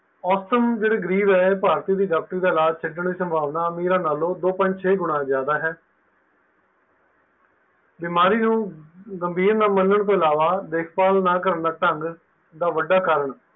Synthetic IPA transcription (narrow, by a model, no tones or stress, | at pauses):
ɔːsəmd͡ʒeːɽeːɡəɾiːbɛːeːpaːɾt̪iːd̪iːɖaːk̚ʈəɾiːd̪aːlaːd͡ʒt͡ʃʰɪɖəɳd̪iːsəmbʱaːʋnaːmiːɾãːnaːlõːd̪oːpə̃nɲd͡ʒt͡ʃʰeːɡʊɽãːzjaːd̪aːɦɛː | bɪmaːɾiːnũːɡəmbʱiːɾnaːmənːəɳt̪õːɪlaːʋaːd̪eːkʰpaːlnaːkəɾəɳd̪aːʈəŋɡ | d̪aːʋəɖaːkaːɾəɳ